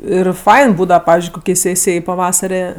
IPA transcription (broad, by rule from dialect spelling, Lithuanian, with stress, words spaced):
ˈɪr ˈfɐɪn ˈbuːdɐʋɐ ˈpɑːʋʲɪzʲd͡ʒʲʊɪ ˈkoːkʲɛɪ ˈsʲeːsʲɪjɛɪ pɐˈʋɑːsɐrʲɛ